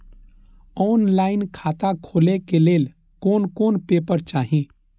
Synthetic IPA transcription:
ɔːnlaːɪnkʰaːt̪ãkʰoːlekeleːl | koːnkoːnpeːpəɾt͡ʃaːɦĩ

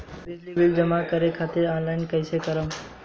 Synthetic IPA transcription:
bɪd͡ʒliʋɪld͡ʒəmakəɾekʰat̪eɾɔ̃nlaɪnkəjsekəɾəm

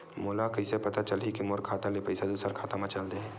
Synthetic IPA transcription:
molakɐɪsepɐt̪at͡ʃɐlɦikimoːɾkʰaːt̪alepɐɪsad̪uːsəɾkʰaːt̪amãt͡ʃɐld̪eɦɛ̃

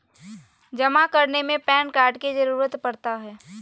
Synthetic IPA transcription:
d͡ʒɐmakəɾnemẽpɛːnkaːɾɖkid͡ʒəɾuːɾət̪pɐɽt̪aɦɛː

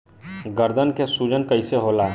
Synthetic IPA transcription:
ɡəɾd̪ʱənkesuːd͡ʒənkəɪseɦoːlaː

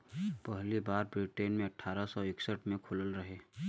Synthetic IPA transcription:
pəɦlibaːɾbɾiːʈeːnmẽɐʈʰaːɾasɔɪksəʈmẽkʰʊləlɾɐɦeː

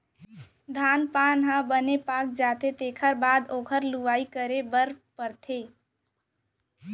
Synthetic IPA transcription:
d̪ʱaːnpanɦə̃bənepaːk̚d͡ʒat̪et̪eːkʰəɾbaːd̪oːkʰəɾluʋaːikəɾebəɾpəɾt̪ʰe

